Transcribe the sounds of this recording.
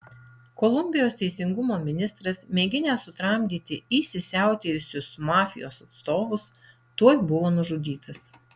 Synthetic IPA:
kɔlˠʊmʲbʲɪjoːst̪ʲɛɪsʲɪŋɡʊmoːmʲɪnʲɪst̪ɾɐsmʲeːɡʲɪnʲeːsʊt̪ɾɐˑmʲd̪ʲiːt̪ʲɪiːsʲɪsʲæˑʊt̪ʲeːjʊsʲʊsmɑːfʲɪjo̰ːsɐt̪st̪oːʋʊs | t̪uɔjbʊʋoːnʊʒʊd̪ʲiːt̪ɐs

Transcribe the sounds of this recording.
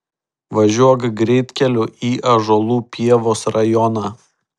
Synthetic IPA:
ʋɐʒʲuɔkɡɾʲɛɪt̪ʲkʲɛlʲʊʔiːʔɐʒoːlˠuːpʲiɛʋoːsɾɐjɔnɑː

